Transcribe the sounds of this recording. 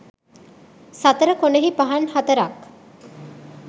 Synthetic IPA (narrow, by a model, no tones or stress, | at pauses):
sat̪əɾəkoneɦipaɦanhat̪əɾak